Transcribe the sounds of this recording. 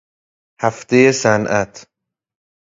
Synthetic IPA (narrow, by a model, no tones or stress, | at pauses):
hæft̪e̞jesænʔæt̪ʰ